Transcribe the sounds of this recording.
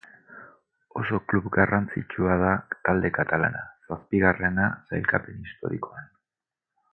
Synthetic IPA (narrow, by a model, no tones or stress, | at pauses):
o̞so̞klupɡarant͡sit͡ʃuað̞at̪ald̪e̞kat̪ala̰nasaspiɣ̞are̞nasajlkape̞nist̪o̞̰ɾiko̞an